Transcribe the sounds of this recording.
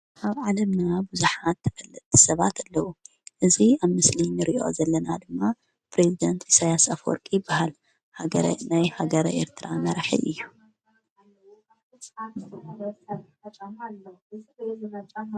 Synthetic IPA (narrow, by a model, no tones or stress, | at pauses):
ʔaβʕalɐmnabuzuħat̪ʰːɐ̥fɐlːɨt̪ːsɐβat̪ʰalːɐwu | ʔɨziaβmɨslinɨɾiʔo̞̰zɐlːɐnad̪ɨmːa | pɾezid̪ɐnt̪ʰisajasafwɔ̰ɾkʼijɪbːahal | haɡɐɾ̰najhaɡɐɾʔḛɾt̪ʰɾamɐɾħḭʔɨjːu | t͡ʃʼlː | mɐt͡ʃʼ